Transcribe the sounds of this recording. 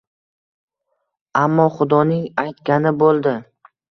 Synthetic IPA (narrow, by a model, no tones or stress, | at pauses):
amːɒχʊd̪ɒnɪŋajt̪kʲanɪbolˠd̪ɪ